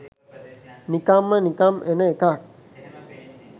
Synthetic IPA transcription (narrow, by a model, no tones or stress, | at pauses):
nikamːənikamʔenəekak̚